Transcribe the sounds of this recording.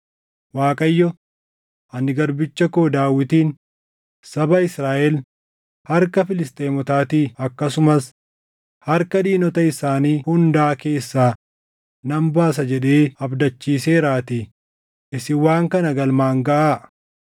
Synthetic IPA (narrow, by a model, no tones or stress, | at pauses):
waːkʼɐjːɔ | ʔɐnːɪɡɐɾbɪt͡ʃːɐkoːd̪aːwːɪt̪iːn | sɐbɐɪsɾaːʔɛl | hɐɾkɐfɪlɪst̪ʼe̞ːmɔt̪aːt̪iːɐkːɐsʊmɐs | hɐɾkɐd̪iːnɔt̪ɐɪsaːniːhʊnd̪aʔːke̞ːsːaː | nɐmbaːsɐd͡ʒɛᶑe̞ːɐbd̪ɐt͡ʃːiːseːɾaːt̪i | ʔɪsɪwaːŋkɐnɐɡɐlmaːŋɡɐʔaː